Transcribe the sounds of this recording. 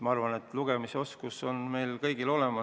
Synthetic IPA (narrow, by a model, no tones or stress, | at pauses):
mɑɑrvɑne̞t̪ːˑluɡ̥e̞miseo̞skuso̞nme̞jlkɤjɡ̥ilo̞le̞mɑ